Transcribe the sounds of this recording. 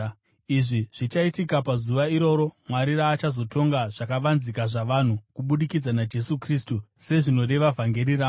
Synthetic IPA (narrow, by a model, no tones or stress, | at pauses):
iʐiʐ̥it͡ʃaitikapazuʋaiɾo̞ːɾo̞mwaɾiraːt͡ʃazo̞to̞ŋɡaʐ̥akaʋanzikaʐaʋan̤ukuɓuɗikid͡zanad͡ʒe̞sukriːstuse̞ʐino̞re̞ʋavʱaŋɡe̞ɾiraː